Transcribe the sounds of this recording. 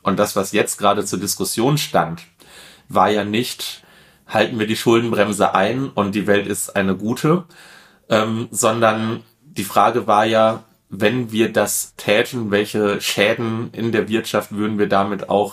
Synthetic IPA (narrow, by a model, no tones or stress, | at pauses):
ʔʊnt̚d̥asv̥asjɛt͡st̚ɡ̥ʁaːdət͡suːɐdɪskʊsjoːnʃtant | vaːɐjaːnɪçt | haltn̩viːɐdiːʃʊldn̩bʁɛmzə̰ʔaɪnʊnt̚d̥iːvɛltɪstʔa̰ɪnəɡuːtʰə | ʔɛːmzɔndɐn | d̥iːfʁ̥aːɡəvaːɐjaː | vɛnviːɐdastʰɛːtʰn̩vɛlçəʃɛːdn̩ʔɪndeːɐvɪɐtʃaftv̥ʏɐdn̩viːɐdaːmɪta̰ʊx